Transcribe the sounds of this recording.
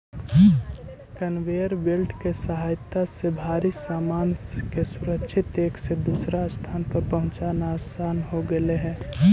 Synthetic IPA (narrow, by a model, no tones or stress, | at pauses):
kənweːəɾbɪlʈʰkesəɦaːjt̪ːasebʱaːɾisaːmaːnkesʊɾəkʃʰɪt̪eːksed̪uːsɾast̪ʰaːnpəɾpəɦʊ̃t͡ʃaːnaːsaːnɦoɡəleɦɛ̃ː